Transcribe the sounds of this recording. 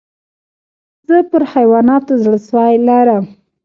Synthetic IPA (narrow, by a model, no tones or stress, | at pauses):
z̥əpəɾhajwɑnɑt̪ozɽəswajlaɾəm